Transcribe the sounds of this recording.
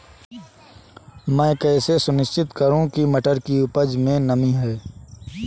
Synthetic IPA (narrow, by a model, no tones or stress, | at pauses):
mɛ̃ːkɛːsesʊnɪʃt͡ʃɪt̪kəɾũkimɐʈəɾkiʊpəd͡ʒmẽnɐmĩɦɛː